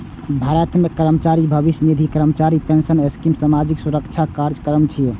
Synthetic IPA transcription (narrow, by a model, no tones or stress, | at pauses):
bʱaɾət̪mekəɾəmət͡ʃaɾibʱəbisjnid̪ʱikəɾəmt͡ʃaɾipensəneskimsamad͡ʒiksuɾəkt͡ʃʰakaɾd͡ʒkəɾəmt͡ʃʰijɛ